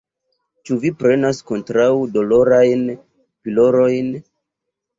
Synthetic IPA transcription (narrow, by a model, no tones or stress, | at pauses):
t͡ʃuvipɾe̞nasko̞ntɾawdo̞lo̞ɾajn | pilo̞ɾo̞jn